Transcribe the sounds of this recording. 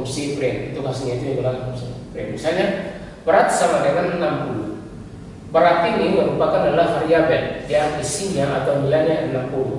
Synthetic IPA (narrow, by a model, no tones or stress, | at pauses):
msipɾɛnut̪ukasiɲait̪ujaɡəlaŋkumsipɾɛnbisalɲa | bəɾat̪̚samadəŋanːampulṵ | pəɾat̪iniməɾupakandadalaɦaɾiabɛnjaŋisiɲaʔat̪awmilaɲaʔənampulṵ